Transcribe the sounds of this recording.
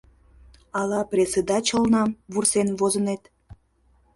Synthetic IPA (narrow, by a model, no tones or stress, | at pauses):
ɑlɑprʲesed̪ɑt͡ɕəlnɑmβursenβozənet̪